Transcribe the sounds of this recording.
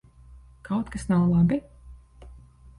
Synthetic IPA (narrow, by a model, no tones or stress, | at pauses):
kʰawt̪kasnawlˠabi